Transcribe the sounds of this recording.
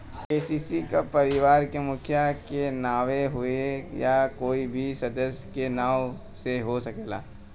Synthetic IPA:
peːsiːsikapɐɾɪʋaːɾkemʊkʰjakenaːʋeɦʊejakoːibʱisɐd̪əsjəkenaːʋ | seɦosɐkeːla̰ː

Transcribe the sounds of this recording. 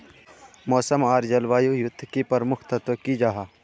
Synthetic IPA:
mɔːsəmaːɾd͡ʒɐlʋaːjujʊd̪ʱːkipɐɾmʊkʰt̪ɐt̪okid͡ʒaɦaː

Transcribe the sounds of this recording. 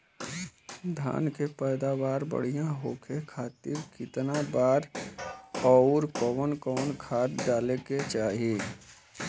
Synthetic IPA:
d̪ʱa̰ːnkepɛːd̪aʋaːɾbə̰ɽ̤ijãɦoːkʰekʰaːt̪ɪɾkɪt̪nabaːɾ | ɔʊɾkɔːwənkɔːnkʰaːt̪ɖaːleket͡ʃaːɦije

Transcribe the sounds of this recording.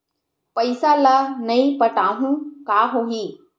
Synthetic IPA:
pəjsalanəipəʈaɦũkaɦoɦi

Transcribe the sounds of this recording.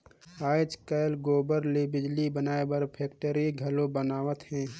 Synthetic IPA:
aːɪd͡ʒkəɪlɡoːbəɾlebɪd͡ʒlibənaːebəɾpʰeːk̚ʈəɾiɡʱɐlõbənaːʋət̪ɦɛ̃ː

